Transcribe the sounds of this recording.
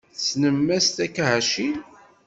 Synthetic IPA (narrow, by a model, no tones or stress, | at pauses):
θt͡sːnəmːæst̪ækːæhæʃil